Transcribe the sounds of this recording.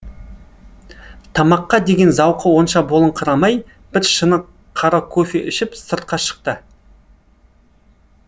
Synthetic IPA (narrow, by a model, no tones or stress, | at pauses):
t̪ʰɑmɑqːɑd̪e̞ɡʲe̞nzɑwqəwo̞nʃɑbolˠəɴqʰəɾɑmɑj | b̥ɪɾʃənə | qʰɑɾɑkʰofeʔʏʃɪpsəɾt̪̚qɑʃə̥q̚t̪ə